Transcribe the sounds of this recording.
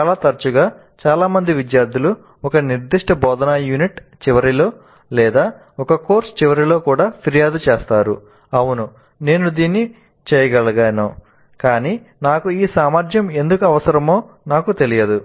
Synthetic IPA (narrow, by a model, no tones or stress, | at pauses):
t͡ʃaːlaːt̪ɐɾt͡ʃuɡaː | t͡ʃaːlaːmɐnd̪iʋid̪jaːɾd̪ʱilu | ɔkɐniɾd̪iʂʈɐbɔːd̪ɐnajuːniʈt͡ʃiʋɐɾilo̞ː | lɛːd̪aː | ɔkɐko̞ːɾst͡ʃiʋɐɾilo̞ːkuːɽaːpʰiɾijaːd̪ut͡ʃɛːst̪aːɾṵ | ɐwunu | ne̞ːnud̪iːnːi | t͡ʃɛːjɐɡɐɭɐɡaːnoː | kaːniː | naːkuiːsaːmaːɾd͡ʒ̪jɐme̞nd̪ukuɐʋɐsɐɾɐmo̞ː | naːkut̪e̞lijɐd̪u